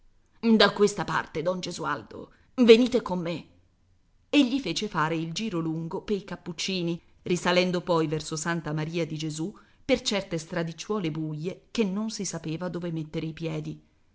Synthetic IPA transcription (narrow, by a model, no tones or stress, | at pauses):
d̪akwest̪apa̰rt̪ed̪ɔnd͡ʒezua̰ld̪o̰ | veniːt̪ekomːe | eʎːifeːt͡ʃefaːɾeild͡ʒiːɾoluŋɡopeikapːut͡ʃːiːni | risalɛnd̪opɔjvɛrsosant̪amaɾiːad̪id͡ʒezupert͡ʃɛrt̪est̪ɾad̪it͡ʃːwɔːlebujːek̟enːonsisapeːvad̪oːvemet̪ːeɾeipjɛːd̪i